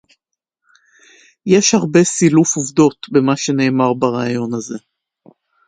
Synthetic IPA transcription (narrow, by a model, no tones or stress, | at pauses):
jeʃhaʁbe̞silufuvd̪o̞t̪be̞maʃe̞ne̞ːmaʁbaʁaːjo̞naze̞